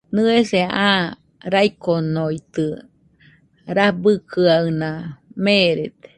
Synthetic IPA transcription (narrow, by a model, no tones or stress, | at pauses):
nɨeseã | ɾajkonojt̪ɨ | ɾahbɨkʰɯawnameɾet̪e̥